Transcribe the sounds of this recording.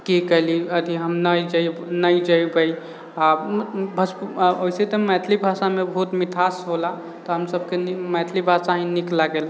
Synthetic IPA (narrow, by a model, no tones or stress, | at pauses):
kikəɦliəd̪ʱiɦəmnəjd͡ʒənəjd͡ʒəjbəj | abʱəsoiset̪ɔmɛt̪ʰlibʱasamebəɦut̪mit̪ʰasɦola | t̪ɔɦəmsəbʱkenimɛt̪ʰlibʱasaɦĩniklaɡel